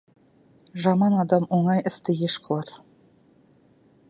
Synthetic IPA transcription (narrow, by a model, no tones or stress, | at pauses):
ʒɑmɑnɑd̪ɑmoɴɑjʔɘ̆st̪ɘjeʃqʰɤ̆lˠɑɾ